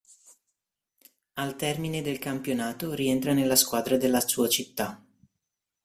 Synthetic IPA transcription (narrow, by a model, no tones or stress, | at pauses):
alt̪ɛrmined̪elkampjonaːt̪oɾient̪ɾanelːaskwaːd̪ɾad̪elːasuːat͡ʃit̪ːa